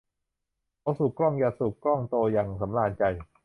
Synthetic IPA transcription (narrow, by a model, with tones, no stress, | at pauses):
ʔa˧wsuː˨˩klɔ˥˩ŋjaː˨˩su˨˩k̚klɔ˥˩ŋt̪oː˧jaː˨˩ŋsa˩˦mlaː˧˩nt͡ɕa˧j